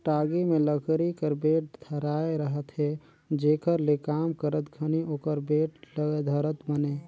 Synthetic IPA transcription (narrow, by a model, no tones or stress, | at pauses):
ʈaɡimẽləkʰɾikəɾbeːʈ̚d̪ʱəɾaeɾəɦət̪ɦe | d͡ʒeːkəɾlekamkəɾət̪ɡʱənioːkəɾbeʈləɡd̪ʱəɾət̪bəne